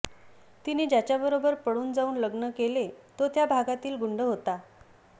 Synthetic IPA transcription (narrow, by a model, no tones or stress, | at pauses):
t̪iniːd͡ʑat͡ɕjabəɾobəɾpəɽuːnd͡zauːnləɡnəkelet̪ot̪jabʱaɡat̪iːlɡuɳɖəɦot̪a